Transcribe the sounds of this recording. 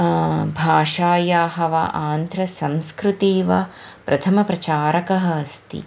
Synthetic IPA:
bʱaːʂaːjaːɦɐʋa̰ʔaːnd̪ʱɾɐsɐmskɾut̪iːʋɐ | pɾʔɐt̪ʰɐmɐpɾɐt͡ʃaːɾɐkɐɦɐɐst̪ḭ

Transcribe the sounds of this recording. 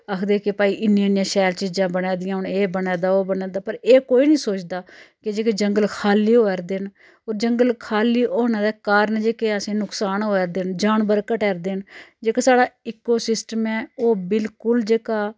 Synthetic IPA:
əkʰd̪eːkepaːiːʔɪnijːnɪjãːʃɛːlt͡ʃiːd͡ʒãːbənɛːd̪ɪjãːɦʊneːbənɛːd̪aːoːbənɛːd̪aːpəɾeːkoːiːnĩːsoːt͡ʃd̪aːkɪd͡ʒeːkeːd͡ʒəŋɡəlkʰaːliːɦoːɛɾd̪eːn | oːɾd͡ʒəŋɡəlkʰaːliːʔoːnãːd̪ɛːkaːɾnd͡ʒeːkeːəsẽːnʊksaːnoːɛɾd̪eːnd͡ʒaːnbəɾkəʈɛːɾd̪eːnd͡ʒeːkasaːɽaːɪːkoːsɪsʈəmɛ̃ːoːbɪlkʊld͡ʒeːkaː

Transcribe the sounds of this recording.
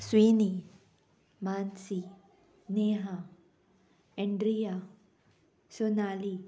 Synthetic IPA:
swini | mansi | neɦa | eɳɖɾija | sonali

